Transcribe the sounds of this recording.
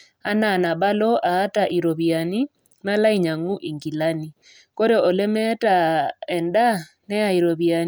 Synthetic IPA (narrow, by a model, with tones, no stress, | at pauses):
a˦na˨na˨βa˦lɔ˦ʔaː˨˦taʔi˨ɾo˨βja˨ni˦ | na˦la˦i˦ɲa˨ŋu˦ʔi˨ŋɡi˨lani˨ | ko˦ɾeɔ˨lɛ˦mɛtaɛnda˦ | nɛ˦a˨iɾo˨βjani